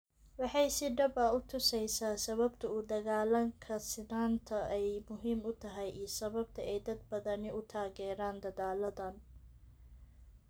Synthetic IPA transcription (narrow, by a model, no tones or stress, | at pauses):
wɑħɑjsɪɖɐbɐʊt̪ʰʊsɛjsaːsɐβɐbt̪ʰɐʊd̪ɐɣaːlɐŋkʰɐsɪnaːnt̪ʰɐɛjmʊɦiːmʊt̪ʰɐɦɛjʔiːsɐβɐb̚t̪ʰɐɛjd̪ɐd̪̚bɐðɐnɪʊt̪ʰaːɣɛːɾaːnd̪ɐðaːlɐðɐn